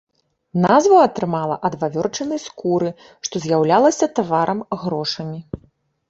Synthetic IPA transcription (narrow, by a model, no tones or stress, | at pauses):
nazvɐɐt̪ɾɨmalˠɐʔɐd̪vavʲɔrt͡ʂɐnɨjskuɾɨ | ʂt̪ɔzʲjawlʲalˠɐsʲɐt̪avaɾʔɐmɣɾɔʂɐmʲi